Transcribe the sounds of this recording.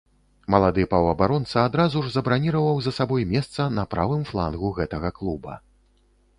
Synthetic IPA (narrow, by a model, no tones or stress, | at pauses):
mɐlˠad̪ɨpɐwɐbaɾɔnt̪sɐad̪ɾazuʐzɐbɾanʲiɾɐvɐwzɐsabɔjmʲɛst̪sɐnɐpɾavɨmflˠa̰nɣuɣɛt̪ɐɣɐklˠubɐ̰